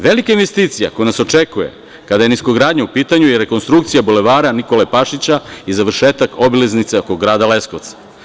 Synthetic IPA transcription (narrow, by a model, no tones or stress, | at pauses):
ʋelikainʋest̪iːt̪sija̰ko̞junaso̞t͡ʂekujḛ | kad̪ajeniskoɡɾaːd̪ɲaupiːt̪aɲujeɾe̞ko̞nst̪ɾuk̚t̪sijabole̞ʋaːɾaniko̞lepaʃit͡ɕaizaʋr̩ʃeːt̪akobileznit̪seokoɡɾaːd̪ale̞sko̞ʋt̪sḁ